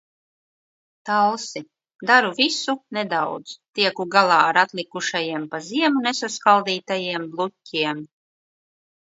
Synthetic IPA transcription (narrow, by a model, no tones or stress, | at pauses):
t̪alˠsi | d̪aɾuvisuned̪awd̪z̥t̪iɛkuɡalˠaːaɾat̪lʲˠikuʃajiɛmpaziɛmunesaskalˠd̪iːt̪ajiɛmblˠutʲːiɛm